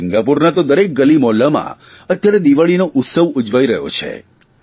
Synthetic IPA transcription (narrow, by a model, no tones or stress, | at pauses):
sɪŋɡapuɾnat̪od̪əɾek̚ɡəlimɔlamã̰ | ət̪jaɾed̪iʋaɭinoʔʊt̪səʋud͡ʒʋajɾə̰ɦjo̰t͡ʃʰḛ